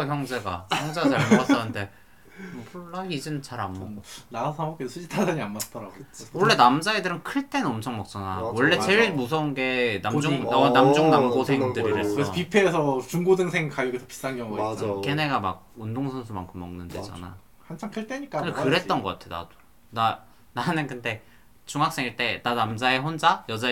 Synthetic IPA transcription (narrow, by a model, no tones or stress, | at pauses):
çjʌŋd͡ʑe̞ɡa̰jʌŋd͡ʑeɡat͡ɕaɭmoat͈ʌnɯnde̞ | pʰuɭːaid͡ʑɯnt͡ɕaɾamːʌnasʰʌŋʌk͈esʰud͡ʑitʰad͡ʑaɲianmat͈ʌɾaɡowʌɭːe̞namd͡ʑaedɯɾɯnkʰɯɭt͈e̞nɯnʌmt͡ɕʰʌŋmʌk̚t͡ɕ͈ʰanawʌɭːe̞t͡ɕe̞ɭmus̬ʰʌunɡe̞namd͡ʑuŋʌnamd͡ʑuŋnamɡosʰe̞ŋdɯɾiɾesɾʌpipʰeːsʰʌt͡ɕuŋɡodɯŋsʰeŋkajuɡesʰʌpi̥s͈anɡjʌŋɡuʌk͈e̞ne̞ɡama̰ɡ̚undoŋsʰʌnsʰuma̰nkʰɯmːʌ̰ŋnɯnde̞̰d͡ʑa̰na̰j | hant͡ɕʰaŋkʰɯɭt͈eɲik͈aekɯɾe̞t̚t͈ʌnɡʌk͈a̰tʰeo̰a̰do̥ | na | nanɯnkɯnde̞ | t͡ɕuŋɦak̚s͈e̞ŋiɭt͈e̞nanamd͡ʑae̞ɸond͡ʑajʌd͡ʑa